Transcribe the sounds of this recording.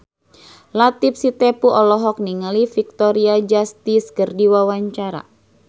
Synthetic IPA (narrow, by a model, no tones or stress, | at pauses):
lat̪ip̚sit̪ɛpuʔɔlɔɦɔk̚niŋalifik̚t̪ɔɾiad͡ʒast̪iskɨrdiwawaɲt͡ʃaɾa̰